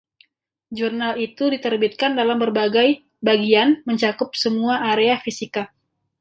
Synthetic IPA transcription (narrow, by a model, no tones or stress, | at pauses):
d͡ʒurnalit̪udit̪ərbit̪̚kandalambərbaɡaj | baɡianməɲt͡ʃakʊp̚səmuaʔːɾeafisika